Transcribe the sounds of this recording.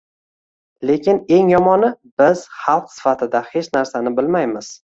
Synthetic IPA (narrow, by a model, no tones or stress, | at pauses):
le̞kʲɪne̞ŋjɒmɒnɪbɪz̥χɑlˠqsɪ̥fat̪ʰɪd̪ahe̞t͡ʃnaɾsanɪbɪlmajmɪz̥